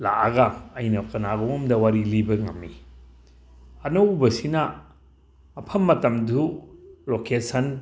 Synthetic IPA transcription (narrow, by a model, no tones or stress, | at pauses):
la̰ʔɐɡɐːjnɐkɐnaɡɔmdɐwaɾilibɐŋɐ̰mːi | ɐnɐwbɐsinɐ | pʰɐmːɐtɐmdulokesɐn